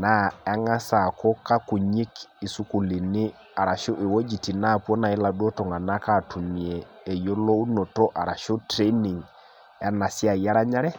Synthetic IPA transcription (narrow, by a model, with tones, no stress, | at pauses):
na˨˦a˦ŋa˦sa˨kɔ˦ka˦ku˨ɲi˦ki˨su˦ku˨li˨nɪ˦ | a˨ɾa˨ʃo˦ʔi˨wo˦d͡ʒi˨ti˨na˦˨po˦na˨ɛ˦la˨du˦o˦tɔ˨ŋa˨na˦ka˦˨tʰu˨m˨eː˨jo˦lo˦u˦no˨tɔ˦ʔa˨ɾa˨ʃo˦tɾe˦ni˨ŋ | a˦na˨si˦a˨ja˦ɾa˦ɲa˦ɾɛ˦